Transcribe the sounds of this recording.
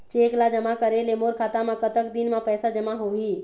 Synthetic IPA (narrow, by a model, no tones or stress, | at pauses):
t͡ʃeklad͡ʒəmakəɾelemoɾkʰaːt̪amãkət̪ək̚d̪inmãpɛːsad͡ʒəmaɦoɦi